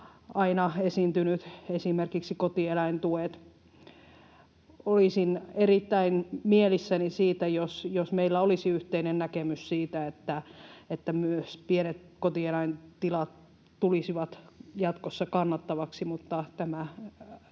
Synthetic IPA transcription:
ɑinɑesint̪ynyt̪esimerkiksikot̪ielæint̪uet̪ | olisinerit̪ːæinmielisːænisiːt̪æjosjosmeilːæolisiyht̪einennækemyssiːt̪æet̪ːæet̪ːæmyøspienet̪kot̪ielæint̪ilɑt̪ | tulisiʋɑt̪jɑt̪kosːɑkɑnːɑt̪ːɑʋɑksimut̪ːɑt̪æmæ

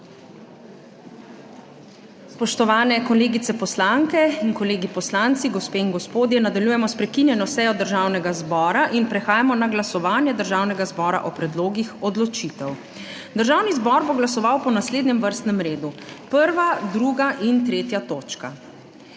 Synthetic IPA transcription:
spɔʃt̪ɔʋaːnɛkɔleːɡit̪sɛpɔslaŋkɛinkɔleːɡipɔslant̪siɡɔspeːinɡɔspoːd̪jɛnad̪aljuːjɛmɔspɾɛkinjɛnɔsɛːjɔd̪əɾʒaːwnɛɡazbɔːɾaʔinpɾɛxaːjamɔnaɡlasɔʋaːnjɛd̪əɾʒawnɛɡazbɔːɾa̰ʔɔpɾɛd̪loːɡixɔd̪lɔt͡ʃit̪ɛw | d̪əɾʒaːwnizbɔɾboɡlasɔʋawpɔnasleːd̪nɛmʋəɾst̪nɛmɾeːd̪upəɾʋad̪ɾuɡaʔint̪ɾeːt̪jat̪oːt͡ʃka

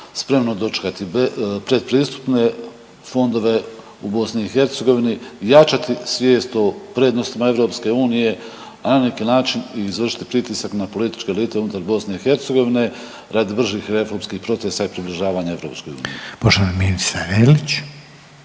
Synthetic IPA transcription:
spɾe̞mnod̪o̞t͡ʃe̥kat̪ipɾe̞d̪̚pɾiːst̪u̥pne̞ | fo̞nd̪o̞ʋe̞ | ubo̞sniːxe̞ɾt̪se̞ɡo̞ʋinijat͡ʃat̪isʋje̞ːst̪o̞pɾe̞ːd̪nost̪imae̞ʋɾo̞ːpske̞uːnije̞ | ananekiːnaːt͡ʃiniːzʋr̩ʃi̥t̪i̥pɾit̪isaknapo̞lit̪i̥t͡ʃke̞liːt̪eunut̪aɾbo̞sne̞ixe̞ɾt̪seɡo̞ʋine̞ | ɾad̪ibr̩ʒiːxɾe̞fo̞ɾmskiːhpɾo̞t̪se̞saipɾibliʒaːʋaːɲae̞vɾo̞ːpsko̞jṵːnḭjepoʃt̪oaminisaɾelit͡ɕ

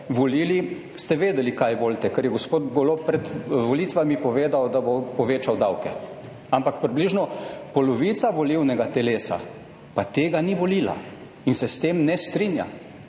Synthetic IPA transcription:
ʋɔliːli | st̪ɛʋeːd̪ɛlikajʋoːlt̪ɛkɛɾjɛɡospoːt̪ɡolopɾɛt̪ʋɔliːt̪ʋamipɔʋeːd̪awd̪abopɔʋeːt͡ʃawd̪awkɛ | ampakpɾibliʒnɔpɔlɔʋit̪saʋɔliwnɛɡat̪ɛleːsa̰ | pat̪eːɡaniʋoliːla̰ | insɛst̪eːmnɛst̪ɾinja̰

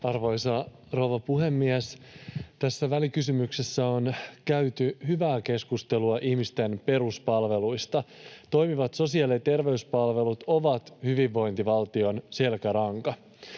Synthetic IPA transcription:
ɑrʋo̞jsɑ | rouʋɑpuhe̞mːiæst̪æsːæʋælikysymyksesːæonkæyt̪yhyʋæːke̞skust̪e̞luɑʔihmist̪e̞npe̞ɾuspɑlʋe̞lujst̪ɑt̪o̞jmiʋɑt̪so̞siɑlet̪e̞rʋe̞yspɑlʋe̞lut̪o̞ʋɑt̪hyʋiʋːo̞jnt̪iʋɑlt̪io̞nse̞lkæɾɑŋkɑ

